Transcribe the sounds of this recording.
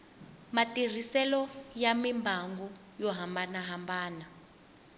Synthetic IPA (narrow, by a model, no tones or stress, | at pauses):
matir̤isɛlɔjamimbʱaŋɡu | jɔɦambanaɦambaːna